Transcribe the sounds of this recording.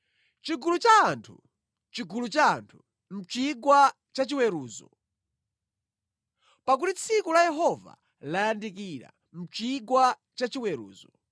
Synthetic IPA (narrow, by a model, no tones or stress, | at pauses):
t͡ʃiɡulut͡ʃaːntʰu | t͡ʃiɡulut͡ʃa̰ːntʰu | m̩t͡ʃiɡwa | t͡ʃat͡ʃiwɛɾuːzɔ̰ | pak̬utit͡sʰikulajɛɦɔva̰ | lajandik̬iɾa̰ | m̩t͡ʃiɡwa | t͡ʃat͡ʃiwɛɾṵːzɔ